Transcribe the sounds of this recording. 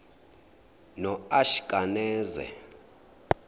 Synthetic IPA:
nɔaʃi̥kʼanɛːzɛ̰

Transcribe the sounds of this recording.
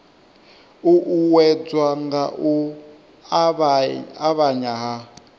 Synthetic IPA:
uʔuwɛd͡zwaŋɡaʔu | aβaɲaɦa

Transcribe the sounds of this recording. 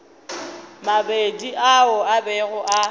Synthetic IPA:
mabediʔaʊabɛɣʊʔa

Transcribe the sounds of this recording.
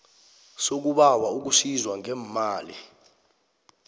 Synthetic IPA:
sok̬uɓawauk̬usizwaŋɛmmaːli

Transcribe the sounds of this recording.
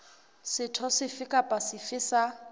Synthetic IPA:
sɪtʰɔsɪfɪkʼapʼasɪfɪsa

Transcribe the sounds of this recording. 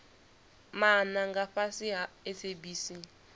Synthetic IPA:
manaŋɡaɸasiɦaesʰebiːsi

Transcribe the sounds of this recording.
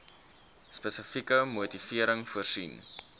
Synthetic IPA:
spəsəfikəmuːtifiəɾəŋfuərsḭn

